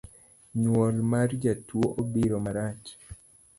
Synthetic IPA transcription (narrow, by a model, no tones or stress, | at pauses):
ɲwɔlmard͡ʒatwoʔobiɾomaɾat͡ʃ